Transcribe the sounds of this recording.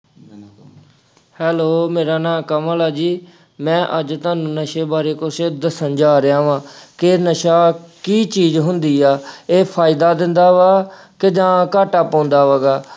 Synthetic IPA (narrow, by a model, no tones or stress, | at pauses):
hɛːloːmeːɾaːnãːkəməlaːd͡ʒiː | mɛ̃ːʔəd͡ʒt̪aːnũːnəʃeːbaːɾeːkʊsd̪əsənd͡ʒaːɾɪjãːʋãːkenəʃaːkiːt͡ʃiːzɦʊnd̪iːaːeːpʰaːɪd̪aːd̪ɪnd̪aːʋaː | kɪd͡ʒãːkaːʈaːpɔ̃ːnd̪aːʋaːɡaː